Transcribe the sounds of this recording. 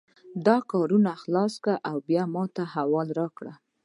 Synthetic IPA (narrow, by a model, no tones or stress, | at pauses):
d̪ɑkɑɾunaxlɑskaʔawbjɑmɑt̪ahawɑlɾɑkɽa